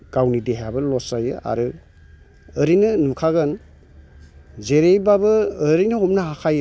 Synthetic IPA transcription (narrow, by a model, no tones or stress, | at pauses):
ɡ̥awnideɦabɯlɔsajɯʔa̰ɾɯ | əɾinɯnukʰaɡɯn | zeɾejbabɯːɾinɯɔmnahakʰajɯ